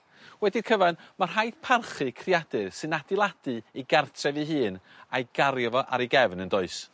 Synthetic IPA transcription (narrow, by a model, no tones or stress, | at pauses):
wɛdikʰəvanmar̥ɦajd̥pʰarχɨkʰriad̥ɨsɨnadɪlˠad̥ɨiɡartʰrɛviɦɨːn | ajɡ̥aɾjɔvɔʔa̰ɾiɡɛvnəndɔɨs